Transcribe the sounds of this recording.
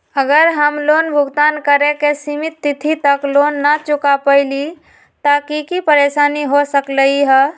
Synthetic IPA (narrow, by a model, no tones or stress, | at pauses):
əɡəɾɦəmloːnbʱʊɡt̪aːnkəɾekesimɪt̪ːɪt̪ʰit̪əkloːnːət͡ʃʊkapəɪli | t̪aːkikipəɾeːʃaːniɦosəkləɦiɦɛː